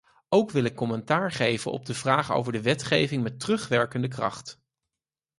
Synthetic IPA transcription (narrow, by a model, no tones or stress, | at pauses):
owkʋɪlɪkːɔmɛntaːɹχejvənɔ̰b̚dəvraːχo̰wvəɹdəʋɛtχejvɪŋmɛtərɵχʋɛɹkəndəkrɑ̰χt